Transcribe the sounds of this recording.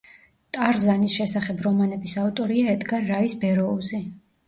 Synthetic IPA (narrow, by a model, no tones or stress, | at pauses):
t̪ʼaɾzanisʃɛsaχɛbɾɔmanɛbisaut̪ʼɔɾiaɛd̪ɡaɾaisbɛɾɔuzi